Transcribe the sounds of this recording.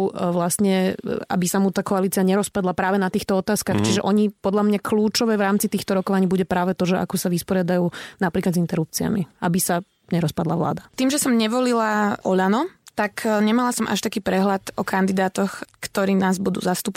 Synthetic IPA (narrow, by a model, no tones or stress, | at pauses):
ʋlasɲɛa̰bisamut̪aːkɔaliːt͡siaɲɛɾɔspad̪lˠapɾaːʋɛnat̪iːxt̪ɔɔt̪aːskaːxt͡ʃiʒɛʔɔɲipɔd̪ʎamɲakluːt͡ʃɔʋɛːʋɾaːmt͡sit̪iːxt̪ɔɾɔkɔʋaɲiːbuɟɛpɾaːʋɛt̪ɔʒɛʔa̰kɔsaʋispɔɾɪad̪ajuːnapɾiːklazint̪ɛɾup̚t͡sia̰miʔabisa | ɲɛɾɔspad̪lˠaʋla̰ːd̪at̪iːmʒɛsɔmɲɛʋɔlilaʔɔʎanɔt̪akɲɛmalasɔmʔa̰ʃt̪akiːpɾɛɦlat̪ɔkʰand̪id̪aːt̪ɔxkt̪ɔɾiːnaːzbud̪ṵːzast̪up